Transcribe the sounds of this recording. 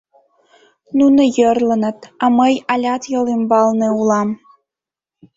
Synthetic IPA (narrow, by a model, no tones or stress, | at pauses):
nunɤ̆jɤ̆rlɤ̆nɤ̆t̪ɑməjɑlʲɑt̪jɤ̆lˠimbɑlˠneulˠɑm